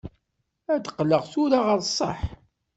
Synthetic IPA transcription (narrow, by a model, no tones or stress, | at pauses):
æd̪qːləʁθʊɾaʁəɾˤsˤːə̰ħ